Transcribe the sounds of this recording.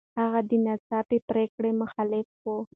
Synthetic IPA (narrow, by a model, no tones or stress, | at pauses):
haɣad̪ənasɑpepɾekɽemʊxalɪfwo